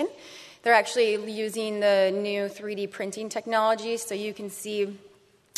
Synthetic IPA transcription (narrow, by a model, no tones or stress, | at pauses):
ɨ̃n | ðə˞æk̚t͡ʃʉl̩ˠijʉzɪ̃ŋðɨnʉθɹiɾipʰɹ̥ɪ̃ntɪ̃ŋtʰɛk̚nɑlˠəd͡ʒi̥soʊjɨkʰɨ̃nsi